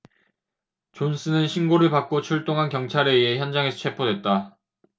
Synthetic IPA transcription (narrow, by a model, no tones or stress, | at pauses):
t͡ɕons͈ʰɯnɯnɕʰinɡoɾɯɭpak̚k͈ot͡ɕʰuɭt͈oŋɦankjʌŋt͡ɕʰaɾe̞ieçjʌnd͡ʑaŋe̞sʰʌt͡ɕʰe̞pʰodwe̞t̚t͈a